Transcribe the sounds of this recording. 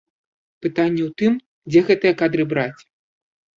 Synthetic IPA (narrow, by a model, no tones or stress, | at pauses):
pɨt̪anʲːɛwt̪ɨm | d͡zʲɛɣɛt̪ɨjɐkad̪ɾɨbɾat͡sʲ